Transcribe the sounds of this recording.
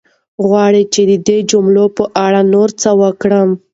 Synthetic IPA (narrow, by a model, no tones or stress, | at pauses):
ɣwɑɽit͡ʃed̪əd̪ed͡ʒʊmlopəʔaɽanoɾt͡səwəkɽəm